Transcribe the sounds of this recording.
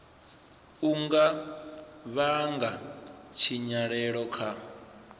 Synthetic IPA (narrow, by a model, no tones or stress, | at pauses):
uŋɡa | βaŋɡat͡ʃʰiɲaɺɛɺɔkʰa